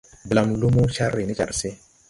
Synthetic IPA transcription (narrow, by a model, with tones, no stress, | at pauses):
bla˨mlu˦mo˦ʃa˦ɾːi˨ni˦t͡ʃa̰˨ɾsɪ˦